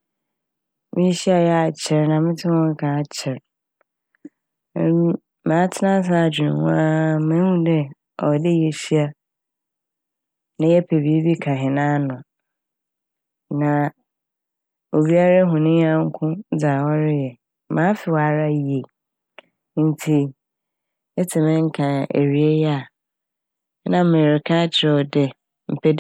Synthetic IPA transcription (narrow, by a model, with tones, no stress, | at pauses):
mɪ̃˦ɕi˦a˨jɛ˦a˨t͡ɕʰɪ˨ɾnã˨mɪ̃˦tʰɪ̃˦wɔ̃˦ŋ˦kʰã˨t͡ɕʰɪ˨ɾ | mãː˨˦tʰɪ˦nã˦s̬a˦a˨d͡ʑᶣi˨nʊ̰̃˨wʊ̰̃˦a˦mã˦hũ˦dɛ˦ | ɔ˨dɪ˦jɛ˨ɕi˦a˦ | nã˨jɛ˦pʰe˨bi˨˦e˦bi˦kʰã˨ɦɪ̃˨nã˦nʊ̃˨ | nã˨ | o˨bi˦a˦ɾa˦ɦʊ̃˨nɪ̃˦ɲ˦ã˦ŋ̩˦kʰʊ̃˦d͡za˨wɔ˦ɾɪ˦jɛ˨˦ | mãː˨˦fɪ˨wa˨ɾa˦˨je˨ | n̩˨tʰi˨ | ɛ˦tʰɪ˨mɪ̃˦ŋ̩˦kʰã˨ḛ˨ɾi˨e˦jɛ˦a˨˦ | nã˨˦mẽ˨ɾɪ˨kʰa˦t͡ɕʰɪ˨ɾɛ˨dɛ˨ | m̩˨pʰɛ˦